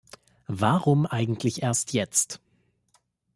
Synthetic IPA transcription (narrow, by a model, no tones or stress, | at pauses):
vaʁʊmʔaɪɡŋ̩tʰlɪçʔeːɐstʰjɛt͡st